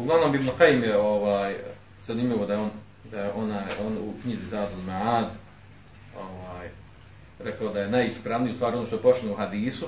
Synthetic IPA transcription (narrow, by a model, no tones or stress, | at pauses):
uɡlaʋnoːmibnuqejimjeoʋaːj | z̥animʎʲiʋo̞d̪ajeoːn | d̪ajeʔo̞naːjoːnṵkɲizizaːd̪olmaʕaːd̪ | oʋaːj | ɾekaod̪aje̞najispɾaʋniust̪ʋaːɾio̞noːʃt̪oepot͡ʃ̪enouhad̪iːsu